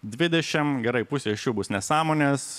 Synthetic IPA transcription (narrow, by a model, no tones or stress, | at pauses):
d̪ʲʋʲɪd̪ʲɛʃʲɪmɡʲɛɾɐɪpʊsʲiɪʃʲt͡ʃʲuːbʊsnʲɛsɑːmoːnʲeːs